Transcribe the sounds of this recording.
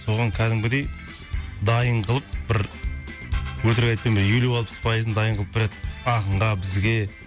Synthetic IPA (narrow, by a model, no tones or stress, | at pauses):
so̞ʁɑŋkʲʰæd̪ɪŋbɪd̪e̞j | d̪ɑjəɴqʰəlˠəp̚b̥ɪɾ | wɵt̪ɪɾɡʲejt̪̚penbɪjelewɑlˠpəspʰɑjəzd̪ɑjəɴʁəlˠəp̚bɪɾed̪ɪɑqəɴʁɑbɪzɡʲe̞